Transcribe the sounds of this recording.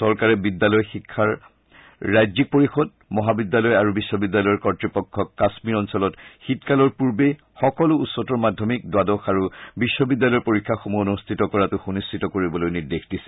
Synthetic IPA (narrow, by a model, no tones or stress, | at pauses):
sɔɹkaɹɛbidːalɔjxikʰːaɹː | ajzik̚poɹixɔd | mɔɦabidːalɔjaɹubisːɔbidːalɔjɔɹkɔtɹipɔkʰːɔkːasmiɹɔnsɔlɔtxitkalɔɹpuɹbe | xɔkɔlʊutsɔtɔɹmadʱːɔmik̚dwadɔxaɹubiʃːɔbidːalɔjɔɹpoɹikʰːaxomuonustʰitɔkɔɹatuxunistʰitɔkoɹibɔlojniɹdexdisɛ̥